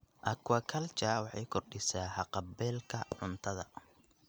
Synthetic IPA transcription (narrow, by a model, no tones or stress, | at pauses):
ʔɐkʰwɐkʰɐlt͡ʃaːwɑħɑ̰jkʰɔrɖɪsaːħɑqɑbɛːlkʰɐʕʊnt̪ʰɐðɐ̰